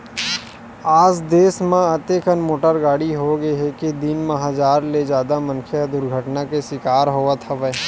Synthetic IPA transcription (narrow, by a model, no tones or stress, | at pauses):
aːd͡ʒd̪eːsmẽɐt̪ekənmoːʈəɾɡaːɽiɦoɡɐeɦɛked̪ɪnmɐɦaːd͡ʒaːɾled͡ʒaːd̪amɐ̃nkʰjad̪ʊɾɡʱəʈnakesɪkaːɾɦoːat̪ʰɐʋɛ